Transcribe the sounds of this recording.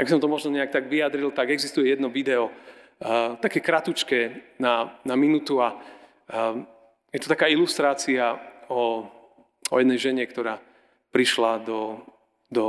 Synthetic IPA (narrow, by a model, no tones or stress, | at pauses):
ʔaɡ̚bis̬ɔmt̪ɔmɔʒnɔɲɛak̚t̪aɡʋiad̪ɾilt̪aɡɛɡzist̪ujɛjɛd̪nɔʋid̪ɛɔ | t̪akɛːkɾat̪ut͡ʃkɛnanaminut̪ua | jɛt̪ɔ̥t̪akaːilust̪ɾaːt͡siaɔ | ɔ̰jɛd̪nɛjʒɛɲɛkt̪ɔɾaː | pɾiʃlad̪ɔ | d̪ɔ